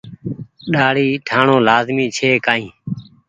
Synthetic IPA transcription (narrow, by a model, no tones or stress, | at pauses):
ɗaːɽiːʈʰaːɳõːlaːzmĩːt͡ʃʰeːkaːĩː